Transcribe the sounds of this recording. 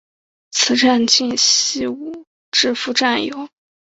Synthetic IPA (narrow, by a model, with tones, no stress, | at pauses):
t͡sʰɹ̩˨˧˥ʈ͡ʂa˥˧nt͡ɕi˥˧nɕi˥˩u˥˩ | ʈ͡ʂɻ̩˥˧fu˥˧ʈ͡ʂa˥˩njo˨˧˥ʊ